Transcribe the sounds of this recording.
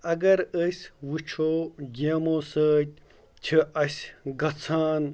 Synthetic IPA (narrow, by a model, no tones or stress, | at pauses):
ɐɡɐɾəsʲwut͡ʃʰoːɡʲeːmoːsəːt̪̚ʲ | t͡ɕʰiɐsʲɡɐt͡sʰaːn